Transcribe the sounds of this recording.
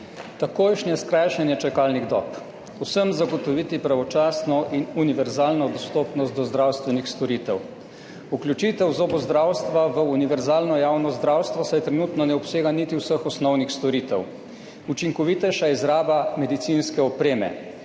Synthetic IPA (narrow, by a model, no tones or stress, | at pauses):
t̪akoːjʃnjɛskɾajʃɛnjɛt͡ʃɛkaːlniɣd̪ɔ̰ːp | usəmzaɡɔt̪ɔʋiːt̪ipɾaʋɔt͡ʃaːsnɔʔinuniʋɛɾzaːlnɔd̪ɔst̪oːpnɔst̪d̪ɔzd̪ɾawst̪ʋɛnixst̪ɔɾiːt̪ɛw | uklʲut͡ʃit̪ɛwzoːbɔzd̪ɾaːwst̪ʋaʋəuniʋɛɾzaːlnɔjaːwnɔzd̪ɾawst̪ʋɔsajt̪ɾɛnuːt̪nɔnɛɔpseːɡanit̪iwsəxɔsnɔwnixst̪ɔɾiːt̪ɛw | ut͡ʃiŋkɔʋit̪ɛʃaizɾaːbamɛd̪it̪sinskɛɔpɾeːmɛ̰